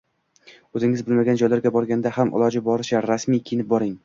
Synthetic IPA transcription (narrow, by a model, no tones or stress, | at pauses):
ɵzɪŋɪzbɪlmaɡʲand͡ʒɒjlaɾɡʲabɒɾɡʲand̪ahamʔɪ̰lˠɒd͡ʒɪbɒɾɪʃaɾasmijkʲʰɪjɪnɪp̚bɒɾɪŋ